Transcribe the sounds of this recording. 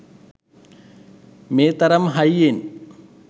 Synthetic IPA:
meːt̪ɐɾɐmɦɐjen

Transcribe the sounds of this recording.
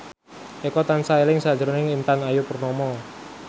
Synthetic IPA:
ʔekɔt̪ansaelɪŋsḁd͡ʒɾonɪŋint̪anajupərnɔmɔ

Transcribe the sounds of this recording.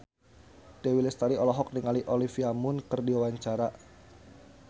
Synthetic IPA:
d̥ewilɛst̪aɾiɔlɔɦɔk̚niŋaliʔolifiamʊnkərdiwawaɲt͡ʃaɾaʔ

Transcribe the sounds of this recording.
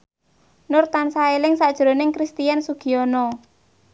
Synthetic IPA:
nʊrt̪ansaelɪŋsad̥ʒ̥ɾo̤nɪŋkɾist̪ijansuɡ̥i̤ɔnɔ

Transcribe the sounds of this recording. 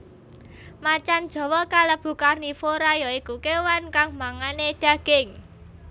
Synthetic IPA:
mat͡ʃand̥ʒ̥ɔ̤wɔkaləb̥ṳkarnifoɾajɔikukewankaŋmaŋaned̪̥ä̤ɡ̥ɪŋ

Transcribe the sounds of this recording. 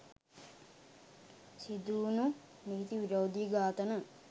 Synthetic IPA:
sid̪uːnu | niit̪iʋiɾɐwd̪iɡaːt̪ɐnu

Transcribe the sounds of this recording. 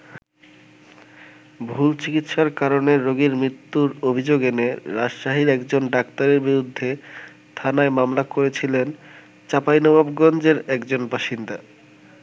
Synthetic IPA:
bʱult͡ɕikit̪ʃaɾkaɾoneɾːoɡiɾmɾit̪ːuɾobʱid͡ʑoɡeneɾad͡ʑʃaɦiɾɛkd͡ʑonɖakt̪aɾeɾbiɾud̪ʱːe | t̪ʰanaemamlakoɾet͡ɕʰilen | t͡ɕapajnɔbabɡɔnd͡ʑeɾɛkd͡ʑonbaʃind̪a

